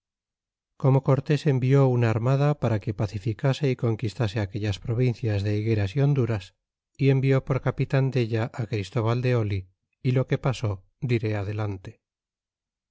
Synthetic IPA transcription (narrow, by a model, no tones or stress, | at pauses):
ko̞mo̞ko̞ɾt̪e̞se̞mbio̞unaːɾmaðapaɾake̞paθifikase̞iko̞ŋkist̪ase̞akeʎaspɾo̞β̞in̟θjazðe̞iɣe̞ɾasio̞nd̪uɾas | ie̞mbio̞po̞ɾkapit̪and̪e̞ʎaʔːkɾist̪o̞βald̪e̞o̞liː | lo̞ke̞paso̞ | d̪iɾe̞að̞e̞lant̪e